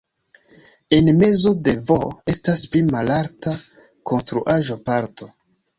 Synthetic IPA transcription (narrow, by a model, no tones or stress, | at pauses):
e̞nme̞zo̞de̞voe̞stasplimalaɾta | ko̞nstɾuʔaʒopaɾto̞